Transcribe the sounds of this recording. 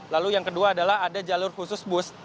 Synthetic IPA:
lalujaŋkəduaːdalahadad͡ʒalʊrhusʊsbʊs

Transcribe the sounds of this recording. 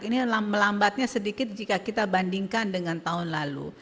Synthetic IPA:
kinilaməlambat̪̚ɲasədikɪt̪̚d͡ʒikakit̪abandiŋkandəŋant̪aɦʊnlalṵ

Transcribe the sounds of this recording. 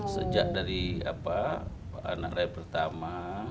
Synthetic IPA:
sə̰d͡ʒaʔdaɾia̰pa | a̰na̰klaipərt̪ama

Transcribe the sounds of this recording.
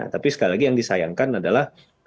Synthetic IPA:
a̰t̪apisə̥kalilaɡijaŋdisaja̰ŋkanadalah

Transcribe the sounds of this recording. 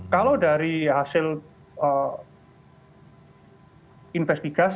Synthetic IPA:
kaladaɾihasɪl | ə | infɛst̪iɡ̥as

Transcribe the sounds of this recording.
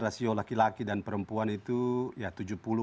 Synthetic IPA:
rasiolakilakidanpəɾəmpuanit̪ujat̪ud͡ʒupulu

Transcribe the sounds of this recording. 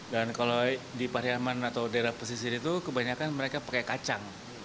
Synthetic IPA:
dankalodipaɾiamanat̪awdeɾapos̬isiit̪ukəbaɲakanməɾekapakakat͡ʃaŋ

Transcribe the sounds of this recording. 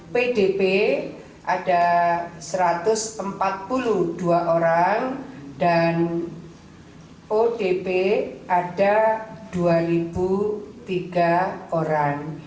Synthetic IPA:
peɖepe | ʔad̥asəɾat̪ʊsəmpat̪̚puluhd̥uaʔoɾaŋd̥an | ʔoɖ̥epeaɖd̥ad̥uaɾib̥ut̪iɡ̥aoɾaŋ

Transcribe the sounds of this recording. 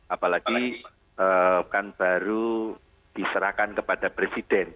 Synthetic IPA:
ʔapalaɡ̥i | əːkanb̥aɾu | d̥isəɾahkankəpad̥apɾesid̥ɛn

